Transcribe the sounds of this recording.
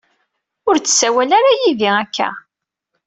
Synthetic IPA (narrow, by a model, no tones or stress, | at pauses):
ʊɾt͡sːə̥sːæwælaɾajiðiækʰːæ̰